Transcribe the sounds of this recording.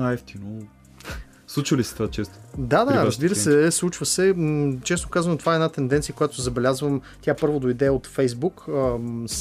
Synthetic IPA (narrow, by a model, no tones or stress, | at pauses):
aɛft̪ino | slˠut͡ʃəlisɛ̥t̪ovat͡ʃɛst̪o̥d̪ad̪aɾəzbiɾəssɛslˠut͡ʃvəsɛt͡ʃɛsnokazɐnot̪ovaɛɛdnat̪ɛnd̪ɛnt̪sijəkojat̪ʊszɐbɛlʲazvəm | t̪ʲapɤɾvod̪oid̪ɛot̪fɛjzbukəs